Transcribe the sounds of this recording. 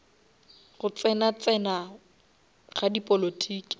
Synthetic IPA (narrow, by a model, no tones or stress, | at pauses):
ɣʊt͡sɛnat͡sɛna | χadipʼolotʰiːkʼi̥